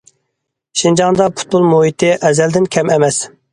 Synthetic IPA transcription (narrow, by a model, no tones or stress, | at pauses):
ʃind͡ʒɑŋd̪ɑpʰu̥t̪̚bolˠmuɦit̪ʰɪʔɛzɛld̪ɪnkʲʰɛmɛmɛs